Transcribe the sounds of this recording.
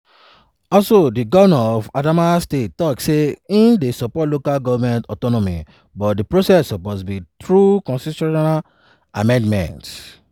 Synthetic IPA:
ɔlsodiɡɔvɔmɛ̃nɔfadamastet̚tːɔkseĩndesɔpɔtlokalɡɔvamɛ̃ntɔtɔnɔmḭ | bɔt̚dipɹosɛsɔposbitɹukɔ̃nsisɔnnal | amɛ̃ndmɛ̰̃nt

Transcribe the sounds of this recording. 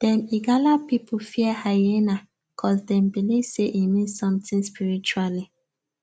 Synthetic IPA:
d̥ɛ̃miɡalapipufiɛhajena | kʰɔldɛ̃mbiliv̥seʔimĩnssɔ̃mtĩnspiɹit͡ʃuali

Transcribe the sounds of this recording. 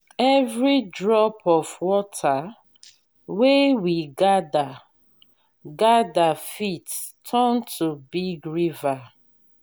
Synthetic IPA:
ɛvɹidɹɔpʰɔfwɔtʰa | wewiɡada | ɡadafittʰɔntʰubiɡɹiva

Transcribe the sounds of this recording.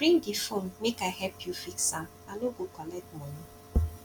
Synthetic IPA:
bɾĩŋdifonmekaɪɦɛpjufiksam | aloɡokɔlɛtmɔni

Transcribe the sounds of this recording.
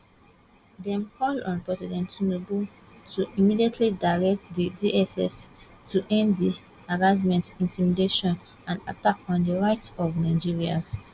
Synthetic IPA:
dɛ̃mkʰɔlɔ̰̃npɹɛsɛdɛ̃ntnobu | tʰuʔimidietʰlidaɹɛk̚tdidiʔɛsɛ̰s | tʰuʔɛ̃nddi | aɹad͡ʒmɛ̃ntĩntʰimideʃɔ̃n | ãnda̰takɔ̃ndəɹaɪtsɔvnaɪd͡ʒiɹia̰s

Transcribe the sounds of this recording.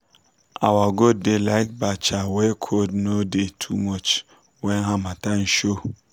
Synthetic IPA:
awaɡod̚delaɪt̚bat͡ʃawɛkʰodnodetʰumɔt͡ʃ | wɛnɦãmatãnʃo

